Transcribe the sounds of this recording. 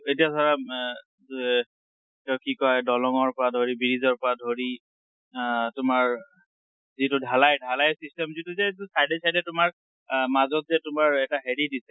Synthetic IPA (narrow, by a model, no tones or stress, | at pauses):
etiasaɹa | ɛ | tɛkikɔjdɔlɔŋɔɹpɔɹadʱoɹibiɹizɔɹpɔɹadʱoɹi | tʊmaɹ | zitʊdʱalajdʱalajsistɛmzituzɛsajdɛsajdɛtʊmaɹ | mazɔtzɛtʊmaɹɛtaɦeɹidisɛ